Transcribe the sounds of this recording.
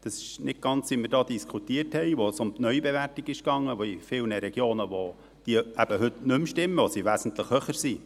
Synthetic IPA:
d̥̪ɑsɪ̥ʃnɪt̚ɡ̥ɑnt͡sʋimərdɑːd̥̪iskʰut̪iəthɛɪʋosʊmt̪nœʏbeʋærtiɡɪʃkɑŋːəʋoifɪlnəɾɛɡjoːnəʋo | d̥iəæb̥əɦɵt̪nɵmʃtɪmːəʋosiʋæːsn̩t̪ləχhøχəɾsi

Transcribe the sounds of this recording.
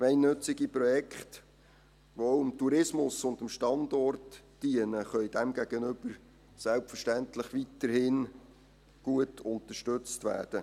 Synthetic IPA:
kmɛɪnːɵt͡sɪɡipɾɔjɛkχt | ʋoowɪmtuɾɪsmʊsʊndəmʃtɑndɔrt | d̥iənəχœʏd̥æmɡæɡ̥ənʏb̥əɾ | sælpfəɾʃtæntləχʋitəɾhɪn | ɡ̥uətʰʊnt̪əʃtɵt͡stʋæ̰ːd̥ə

